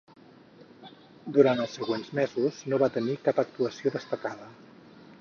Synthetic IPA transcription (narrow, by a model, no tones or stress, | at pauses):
d̪uɾant̪əlˠsːəɣwenzmezuznoβat̪ənikapək̚t̪uəsioðəst̪əkaðə